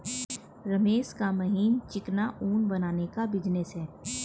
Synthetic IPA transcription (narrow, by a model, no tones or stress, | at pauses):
ɾɐmeːʃkamɐɦiːnt͡ʃɪknaʔuːnbɐnaːnekabɪd͡ʒnɪsɦɛː